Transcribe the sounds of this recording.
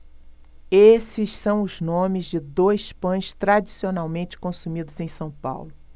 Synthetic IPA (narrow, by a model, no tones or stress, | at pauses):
esɪssɐ̃w̃ʊznõmɪzd͡ʒɪd̪ojspɐ̃j̃st̪ɾad͡ʒisionawmẽnt͡ʃɪ̥kõsumid̪ʊzẽj̃sɐ̃w̃pa̰wlʊ